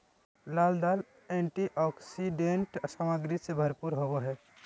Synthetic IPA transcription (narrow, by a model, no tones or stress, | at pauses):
laːld̪al | eɳʈiʔɔːksiɖeɳʈsaːməɡɾisebʱəɾpuɾɦoboɦɛː